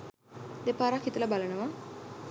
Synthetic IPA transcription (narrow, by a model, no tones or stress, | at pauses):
d̪epaɾakːit̪əlabalənəʋa